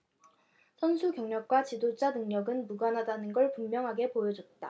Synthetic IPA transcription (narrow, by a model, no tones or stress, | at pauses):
sʰʌnsʰukjʌŋɲʌk̚k͈wat͡ɕidod͡ʑanɯŋɲʌɡɯnmuɡwanɦadanɯnɡʌɭpumːjʌŋɦaɡe̞pojʌd͡ʑʌt̚t͈a̰